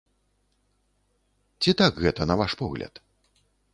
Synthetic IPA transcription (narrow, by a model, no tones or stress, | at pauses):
t͡sʲit̪aɡɣɛt̪ɐnɐvaʂpɔɣlʲɐ̰t̪